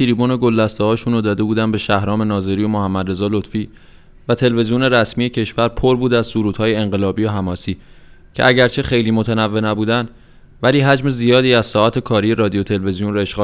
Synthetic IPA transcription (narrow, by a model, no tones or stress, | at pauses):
t̪ʰiɾiːbone̞ɡolːæst̪ɒhɒːʃunod̪ɒːd̪e̞buːd̪ænbe̞ʃæhɾɒːme̞nɒːze̞ɾijomohæmːæd̪re̞zɒːlot̪fiː | væt̪ʰe̞lve̞zijone̞ɾæsmije̞cʰe̞ʃvæɾpʰo̞ɾbuːd̪æz̥suɾuːt̪hɒːje̞ːŋɢe̞lɒːbijoɦæmɒːsiːcʰeʔæɟæɾt͡ʃʰe̞xe̞jliːmo̞t̪ʰenævːe̞næbuːd̪æn | væliːɦæd͡ʒme̞zijɒːd̪iːæz̥sɒːæt̪ʰe̞kʰɒːɾije̞ɾɒːd̪ijo̞t̪ʰe̞lve̞zijonɾoeʃɡ